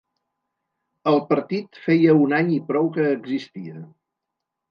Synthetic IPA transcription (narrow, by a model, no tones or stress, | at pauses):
əlˠpəɾt̪it̪fejəunaɲipɾɔwkəːɡzist̪iə